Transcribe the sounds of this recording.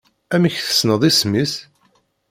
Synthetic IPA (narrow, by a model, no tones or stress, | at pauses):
æmiçθə̥snəðˤismis